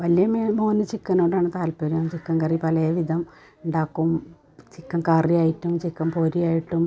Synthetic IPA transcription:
ʋɐlijɐmemo̞ːnːɨt͡ɕikːɐnːoːɽaːɳɨt̪aːlpɐɾiɐt͡ɕikːɐŋkɐripɐlɐjɐʋid̪ɐm | uɳɖaːkːum | t͡ɕikːɐmkaːrijaːjiʈːumt͡ɕikːɐmpoːɾijaːjiʈːum

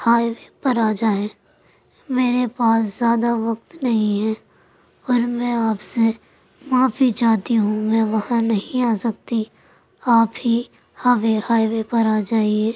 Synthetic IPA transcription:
haːiʋepɐɾaːd͡ʒaːẽː | meːɾepaːszjaːd̪aʋɐk̚t̪nɐɦĩɦɛ | ɔːɾmɛ̃aːpse | mãːfit͡ʃaːt̪iɦũmɛ̃ʋɐhãnɐɦĩaːsɐk̚t̪i | aːpɦi | haʋehaːiʋepɐɾaːd͡ʒaːieː

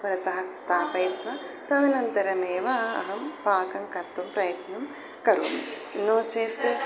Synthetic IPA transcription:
pɾɐt̪ɐɦɐst̪aːpɐjt̪ʋɐ | t̪ɐd̪inɐnt̪ɐɾɐmeːʋaːɐ̰ɦɐmpaːkɐŋkɐt̪ːumpɾɐjɐt̪nɐm | kɐɾṵːmḛ | noːt͡ʃeːt̪

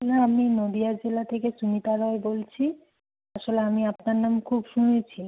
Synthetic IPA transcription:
naaminod̪iad͡ʑelat̪ʰekeʃunit̪aɾɔebolt͡ɕʰi | aʃoleamiapnaɾnamkʰubʃunet͡ɕʰi

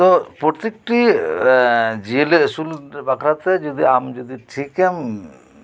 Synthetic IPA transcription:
t̪opɾoɾt̪ik̚ʈi | d͡ʒieleəsulbakʰɾat̪ed͡ʒod̪ʱiamd͡ʒod̪iʈʰikem

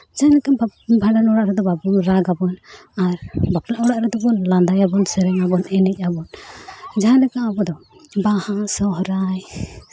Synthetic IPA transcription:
d͡ʒalɛkabʱaɖanɔɽaʔɾɛd̪ɔbabɔŋɾaɡabɔnaɾbaplaʔɔɽaʔɾɛd̪ɔbɔnland̪ajabɔnsɛɾɛŋabɔnɛnɛc̚ˀabɔnd͡ʒaɦalɛkaabɔd̪ɔ | bahasɔɦɾaj

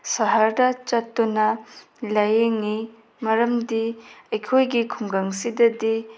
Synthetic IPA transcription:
sɐɦɐɾdɐt͡ʃɐtːunɐ | lɐjeŋi | mɐɾɐmdiɐjkʰojɡikʰuŋɡɐŋsidɐdi

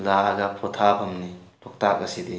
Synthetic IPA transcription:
laɡapʰɔtʰabʰɐmnilɔk̚tak̚ɐsid̪i

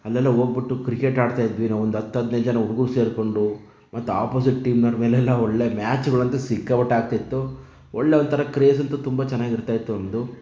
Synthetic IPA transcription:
ɐlːɛlːɐɦo̞ːɡ̚biʈːukɾikeːʈaːɖt̪aːjid̪ʋinaːʋond̪uɐt̪ːɐd̪neːd͡ʒɐnɐuɽuɡuɾuse̞ːɾko̞ɳɖu | mɐt̪ːua̰ːpoːs̬iʈːiːmnɐɾmeːlɛlːɐɔɭːemaːt͡ʃuɡɐɭɐnt̪ɐsikːɐʋɐʈːaːɡ̚t̪ajit̪ːu | ɔɭːeond̪t̪ʰɐɾɐkɾeːsɐnt̪ut̪umbɐt͡ʃɛnːaːɡiɾt̪aːjit̪ːunɐmd̪u

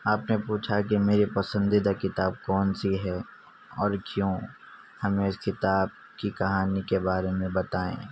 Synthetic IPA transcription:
aːpnepuːt͡ʃʰakimeːɾipɐsə̃nd̪id̪akɪt̪aːb̚kɔːnsiɦɛː | ɔːɾkjõː | hɐmẽɪskɪt̪aːb̚ | kikɐɦaːnikebaːɾemẽbɐt̪aːḛ̃ː

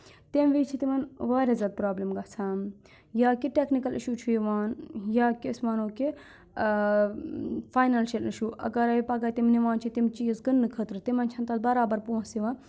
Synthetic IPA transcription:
t̪emʋiːt͡ʃʰit̪imɐnʋaːɾʲazʲjaːd̪̚pɾaːblimɡɐt͡sʰaːn | jaːkiʈeknikɐlḭʃuːt͡ʃʰuiʋaːnjaːkismɐnoːke | faːjnalʃelniʃuʔɐ̰ɡɐɾɐʋipɐɡaːt̪imniʋaːnt͡ʃʰit̪imt͡ʃiːzɡɨnːɨkʰət̪ɾɨt̪imɐnt͡ʃʰɐnt̪ɐt̪̚bɐɾaːbɐɾpuːsiʋãːn

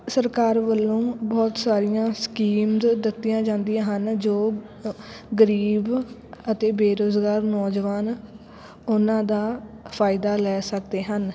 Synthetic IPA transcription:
səɾkaːɾʋəlːõːbɔːt̪saːɾɪjãːskiːmd̪d̪ɪt̪ːɪjãːd͡ʒãːnd̪ɪjãːɦənd͡ʒoː | ɡəɾiːbət̪eːbeːɾoːzɡaːɾnɔːd͡ʒʋaːn | ʊnãːd̪aːpʰaːɪd̪aːlɛːsək̚d̪eːɦən

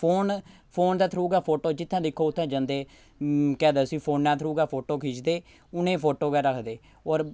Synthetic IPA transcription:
pʰoːn | pʰoːnd̪aːt̪ʰɾuːɡaːpʰoːʈoːd͡ʒɪt̪ʰːãːd̪ɪkʰːoːʊt̪ʰːãːd͡ʒə̃nd̪eː | kɛːd̪aːsiːpʰoːnnaːt̪ʰɾuːɡaːpʰoːʈoːkʰiːt͡ʃd̪eː | ʊnẽːpʰoːʈoːɡɛːɾəkʰd̪eː | ɔːɾ

